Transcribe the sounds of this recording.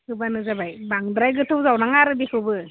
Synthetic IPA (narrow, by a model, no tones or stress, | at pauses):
hɯbanɯzabajbaŋdɾajɡɯtʰɯwzawnaŋaɾɯbikʰɯwbɯ